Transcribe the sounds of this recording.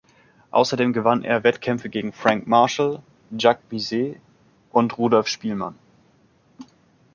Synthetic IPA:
ʔa̰ʊsɐdeːmɡəvanʔḛːɐvɛtkʰɛmfəɡeːɡŋ̩fʁ̥aŋkmaɐʃl̩ | d͡ʒak̚mizeː | ʔʊntʁuːdɔlfʃpiːlma̰n

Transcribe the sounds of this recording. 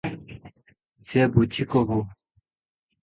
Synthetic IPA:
t͡ɕebut͡ɕʰikobo

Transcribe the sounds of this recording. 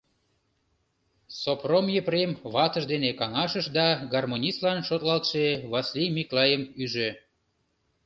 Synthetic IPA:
sopromjəpremβɑt̪əʒd̪enekɑŋɑʃəʃd̪ɑɡɑrmonʲist̪lɑnʃot̪lɑlt̪ʃeβɑslijmiklɑjəmyʒø

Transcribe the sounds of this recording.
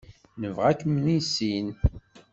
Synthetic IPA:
nəvʁækːmnisin

